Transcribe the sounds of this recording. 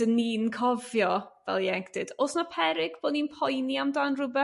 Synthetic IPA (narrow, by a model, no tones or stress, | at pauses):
d̥əniːnkʰɔvjɔvɛ̰lˠjɛŋkʰd̥ɨd̥osnapʰɛɾɪɡb̥oːdniːnpʰɔjniamdaːnrʊbɛ